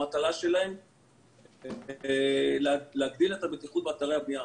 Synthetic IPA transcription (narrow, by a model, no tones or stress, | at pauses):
at̪alaʃe̞lae̞m | lleaɡd̪ilet̪abet̪iχut̪̚beat̪aʁehabnia